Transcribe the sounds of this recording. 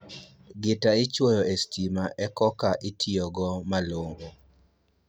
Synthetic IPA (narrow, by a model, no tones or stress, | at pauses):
ɡɪtaɪt͡ʃwojɔestʰimaʔɛkɔkaʔɪtʰɪɔɡɔmaloŋɡo